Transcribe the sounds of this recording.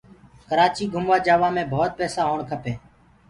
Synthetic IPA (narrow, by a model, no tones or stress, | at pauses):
kəɾaːt͡ʃiːɡʱʊmʋaːd͡ʒaːʋaːmẽːbʱoːt̪̚pɛːsaːɦoːɳkʰəpʰeː